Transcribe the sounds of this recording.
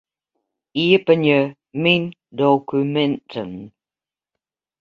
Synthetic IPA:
iəpənə | mindokumɛntʰən

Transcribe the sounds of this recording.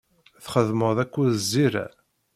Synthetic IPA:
θχəðməðˤækʷːuðzːiɾæ̰

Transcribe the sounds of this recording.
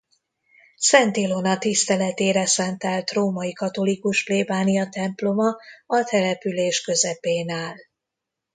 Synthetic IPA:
sɛnt̪ilonɒt̪ist̪ɛlɛt̪eːɾɛsɛnt̪ɛlt̪roːmɒjikɒt̪o̞likuʃfleːbaːnijɒt̪ɛmplo̞mɒɒt̪ɛlɛpyleːʃkø̞zɛpeːnaːl

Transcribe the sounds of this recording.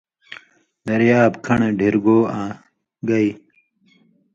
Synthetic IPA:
d̪ɐɾjaːbkʰɐɳeɖʱiɾɡoːãː | ɡɐi

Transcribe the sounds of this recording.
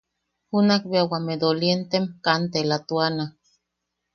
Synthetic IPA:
hunakbeawamed̪olient̪emkant̪elat̪uana

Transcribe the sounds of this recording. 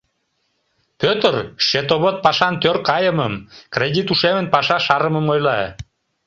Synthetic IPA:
pøt̪ərʃet̪oβət̪̚pɑʃɑnt̪ørkɑjəməmkrʲedʲit̪uʃemənpɑʃɑʃɑɾəməmojlɑ

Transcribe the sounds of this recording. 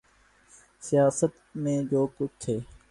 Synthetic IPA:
sɪjaːsət̪mẽːd͡ʒoːkʊt͡ʃʰt̪ʰeː

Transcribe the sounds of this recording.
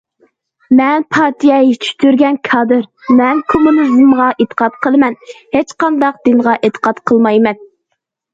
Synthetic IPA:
mɛnpʰɑt̪ʰijɛit͡ʃʰy̥t̪ʰyɾɡʲɛnkʰɑːd̪ɨɾmɛnkʰomunizmʁɑʔet̪ʰə̥qɑt̪̚qʰəlˠɨmɛnhet͡ʃqɑnd̪ɑq̚d̪ɨnʁɑʔet̪ʰə̥qɑt̪qʰəlˠmɑjmɛn

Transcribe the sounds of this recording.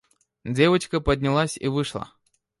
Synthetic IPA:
d͡zʲe̞vət͡ɕkəpədʲnʲɪlˠasʲḭvɨʂlˠə̰

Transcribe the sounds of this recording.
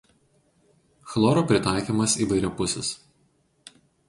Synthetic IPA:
xlˠɔːɾoːpʲɾʲɪt̪ɑˑɪkʲiːmɐsiːʋɐɪɾʲɛpʊsʲɛs

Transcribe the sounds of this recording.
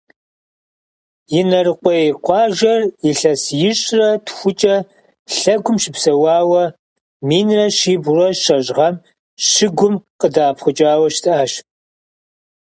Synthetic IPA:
jɪnɐrɨqʷɔjqʷɑːʒɐriɬɐsjɪɕʼrɐtʰxʷʊt͡ʃʼɐ | ɬɐɡʷʊmʃɪpsɐwɑːwɐ | miːnrɐʃiːbʊrɔʃɐʑʼʁɐm | ʃɪɡʷʊmqədaːpχʷʊt͡ʃʼaːwɐʃtʰaːʃ

